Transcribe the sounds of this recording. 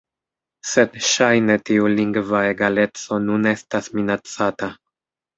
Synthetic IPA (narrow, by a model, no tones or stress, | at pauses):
se̞dʃajne̞tiuliŋɡvae̞ɡale̞t͡so̞nune̞stasminat͡sata